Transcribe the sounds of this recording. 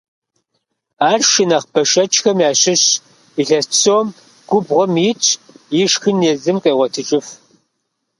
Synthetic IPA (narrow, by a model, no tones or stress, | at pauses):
aːrʃɪnɐχbɐʃɐt͡ʃʼxɐmjaːɕɪɕ | iɬɐssoːm | ɡ̥ʷʊbʁʷɔmjɪt͡ʃʼʰjɪʂxɨnjezɨmqʼeːʁʷɔtʰɨt͡ʃʼɪf